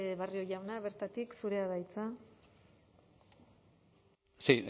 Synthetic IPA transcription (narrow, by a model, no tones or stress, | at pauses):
βario̞ʝawnaβe̞ɾt̪at̪iksuɾe̞aðajt͡sa | si